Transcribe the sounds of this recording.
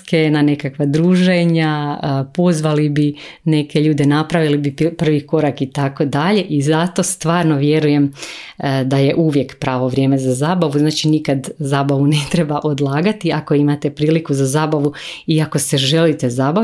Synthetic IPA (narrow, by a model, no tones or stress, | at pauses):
ke̞nane̞kakʋad̪ɾuːʒe̞ɲapo̞zʋalibine̞keʎuːd̪e̞napɾaʋilibipr̩ʋiko̞ɾakit̪ako̞d̪aʎe̞ʔizat̪o̞st̪ʋaːɾnoʋje̞ɾuje̞m | d̪aje̞ʔuʋje̞kpɾaːʋo̞ʋɾʲjeme̞zazaːbaʋuznaːt͡ʃinikad̪zaːbaʋune̞t̪ɾe̞baʔo̞d̪lˠaːɡat̪iako̞imat̪e̞pɾiːlikuzazaːbaʋuiako̞seʒe̞lit̪e̞zaːba